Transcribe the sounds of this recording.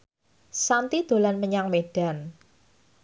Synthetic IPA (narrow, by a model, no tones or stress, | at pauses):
sant̪id̪̥o̤lanməɲaŋmeɖ̥a̤n